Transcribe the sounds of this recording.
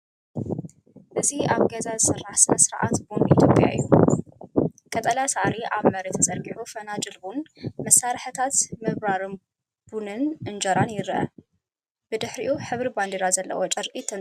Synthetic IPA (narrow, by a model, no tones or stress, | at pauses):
ʔɨziaβɡɐzazɨsɐrːaħsɨɐsɨɾʔa̰t̪bond̪ʔit̪ʰjo̞pʼja̰ʔɨ̰jːu | kʼɐt̪ʼɐlasaʕɾiʔaβmɐɾet̪ʰɐt͡sʼɐɾɡʼiʕufɐnad͡ʒɨlbunmɐsːaɾħɨt̪ʰat̪mɨβɾaɾɨ | b̥unɨnʔɨnd͡ʒɐɾanjɪɾʔɐ̰ | b̥ɨd̪ɨħɾiʔuħɨβɾiband̪eɾazɐlːɐ̰wot͡ʃʼɐɾkʼit̪ʰːɐn